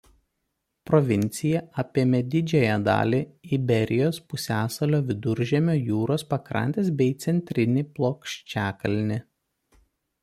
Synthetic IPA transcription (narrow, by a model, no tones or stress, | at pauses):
pɾɔʋʲɪnʲt̪sʲɪjɛʔɐpʲeːmʲɛd̪ʲɪd͡ʒʲɛjæd̪ɑ̰ːlʲiːɪbʲɛɾʲɪjoːspʊsʲæːsɐlʲoːʋʲɪd̪ʊɾʲʒʲɛmʲoːjuːɾoːspɐkɾɐ̰nʲt̪ʲeːsbʲɛɪt̪sʲɛnʲt̪ʲɾʲɪnʲiːplˠoːkʃʲt͡ʃʲæːkɐlʲnʲɪ